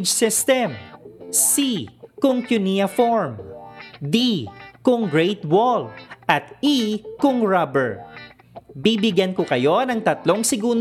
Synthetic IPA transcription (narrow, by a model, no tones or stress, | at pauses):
d͡ʒsɪst̪ɛmsikʊŋkjʊniɐfoɹm | d̪ikʊŋɡɹɛjt̪wolʔɐt̪̚ikʊŋɹabɛɹ | bibɪɡjɐnkokɐjo̞nɐŋt̪ɐt̪lo̞ŋsɪɡuːn